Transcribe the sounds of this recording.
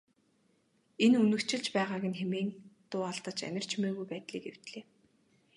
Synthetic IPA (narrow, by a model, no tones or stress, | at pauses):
enɵnɵ̆kt͡ɕʰɪ̆ɮt͡ɕpæːʁaːɣʲɪ̆nxemeːnt̪ʊːaɮt̪ə̆t͡ɕæ̰nʲɪ̆r̥t͡ɕmeːɣujpæːt̪ɮḭːkew̥t̪ɮeː